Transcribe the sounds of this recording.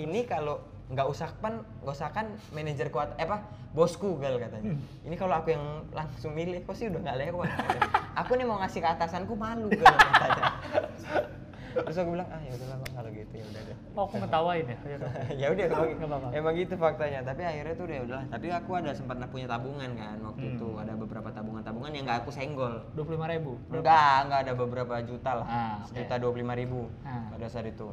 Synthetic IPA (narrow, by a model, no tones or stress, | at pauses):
inikalo | ŋɡausak̚pan | ŋɡausakanmened͡ʒərkuat̪aʔapa | bɔskuɡalkat̪aɲa | inikaloakujaŋlaŋsʊŋmilɪhkosɪudaŋɡalewat̪ʔakunimauŋasikəat̪asankumaluk̪aat̪aɲa | t̪ɾʊs̬akubilaŋahjaudalahkaŋkaloɡit̪ujaudahda | aakumət̪awainjaajaudakumaɡiajamaɡit̪ufak̚t̪aɲat̪apiahirɲat̪uːdajudalaht̪apiakuadalasəmpat̪̚nahpuɲat̪abuŋankanwak̚t̪uit̪uadabəbəɾapat̪abuŋant̪abuŋanjaŋɡaːkusɛŋɡɔlduap̬lulimaɾebuɡaŋɡaːdabəbəɾapad͡ʒut̪alahhsəd͡ʒut̪aduap̬ululimaɾibu | padasaɾit̪u